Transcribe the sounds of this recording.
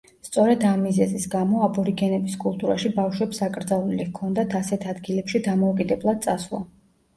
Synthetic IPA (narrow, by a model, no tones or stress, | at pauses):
st̪sʼɔɾɛd̪amːizɛzisɡamɔabɔɾiɡɛnɛbiskʼulˠt̪ʼuɾaʃibafʃwɛpsakʼɾd̪zalˠulikʰɔnd̪at̪ʰasɛt̪ʰad̪ɡilɛpʃid̪amɔukʼid̪ɛblˠad̪̚tsʼasvlˠa̰